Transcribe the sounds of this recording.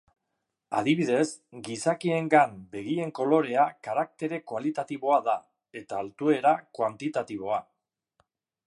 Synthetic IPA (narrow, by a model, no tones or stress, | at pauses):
a̰ðiβiðe̞sɡisakie̞ŋɡambe̞ɣ̞ie̞ŋko̞lo̞ɾe̞akaɾak̚t̪e̞ɾe̞koalit̪at̪iβo̞aða | e̞t̪aːlt̪ue̞ɾakwant̪it̪at̪iβ̞o̞a